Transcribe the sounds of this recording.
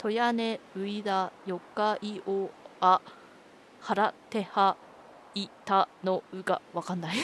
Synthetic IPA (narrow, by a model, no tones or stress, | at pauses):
t̪ʰo̞janeɯ̟id̪ajo̞kːaiʔoːa | haɾat̪e̞ha | it̪anoɯ̟ɡa̰βakanːai